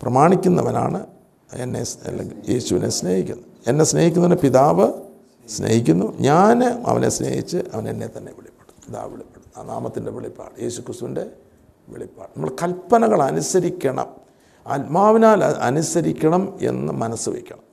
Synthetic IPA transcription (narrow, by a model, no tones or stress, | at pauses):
prɐmaːɳikʲːunːɐʋɐna̰ːɳɨ | ḛnːḛlje̞ːɕuʋine̞sne̞ːhikʲːunːu | enːe̞sne̞ːhikʲːunːɐʋenːɨpiðaːʋɨ | sne̞̰hikʲːunːuɲaːnɐ̰ʋɐnʔe̞̰snḛːhḭt͡ɕːɨʔɐʋɐnḛnːe̞t̪ɐnːe̞̰ʋiɭipːeɽupiða̰ːʋiɭipːeɽua̰ːnaːmɐt̪ːinde̞ʋiɭipːa̰ːɭɨje̞ːɕukrist̪uʋinde̞ | ʋiɭipːaːɭnɐmːɐɭkɐlpːɐnɐɣɐɭɐnusɐɾikʲːɐɳɐ̰m | ɐlmaːʋinaːlɐnusɐɾikʲːɐɳɐme̞̰nːɨmɐnɐsːɨʋḛkʲːɐɳɐm